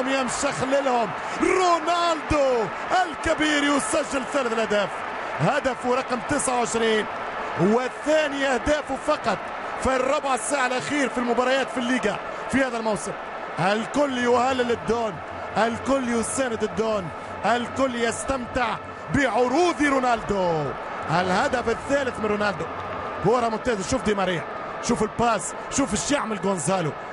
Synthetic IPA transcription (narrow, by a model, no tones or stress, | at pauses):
mjamʃaxlɪlhʊm | ɾˤonaːld̪o | ʔɪlkɪbiːɾiwɪsaʒːalθæːlɪθɪlʔæhd̪æːf | had̪afuɾˤɑqmt̪ɪsʕawʕɪʃɾiːn | wɪθæːniʔæhd̪æːfufɑqɑt̪ˤ | firˤːʊbʕɪsaːʕalʔaxiːɾfilmʊbɑːɾˤɑjaːt̪filːiːɡa | fihæːðælmawsˤɨl | ʔɪlkʊlːiwhalːɪlɪd̪ːoːn | ɪlkʊlːiwɪsæːnɪd̪ɪd̪ːoːn | ɪlkʊlːjɪst̪amt̪ɪʕ | bɪʕʊɾuːd̪iɾʊnaːld̪o | ʔɪlhad̪afɪθːæːlɪθmɪnɾunald̪ʊ | hʊwːɑɾˤɑmʊt̪æːzaʃuːfd̪iːmɑɾiːħ | ʃuːfɪlpaːs | ʃuːfɪʃaʕmɪlɡonzaːlu